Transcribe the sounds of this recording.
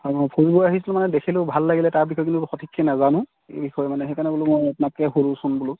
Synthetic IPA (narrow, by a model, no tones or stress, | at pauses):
amɔjpʰuɹiboaɦisilʊ̃manɛdekʰilʊ̃bʱalːaɡilɛtaɹbʱixɔjk̬intuxɔtʰikʰːɛnazanʊ̃ | ḛbʱixɔjɔmanɛxekanɛbulʊmojapnakɛɦulusunbulʊ